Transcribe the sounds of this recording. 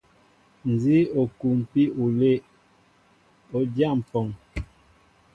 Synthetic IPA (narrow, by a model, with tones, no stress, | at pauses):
n˨zi˦o˨ku˨m˨pi˦u˨le˦˨ʔ | o˨dja˦˨m̩˨pɔ˨ŋ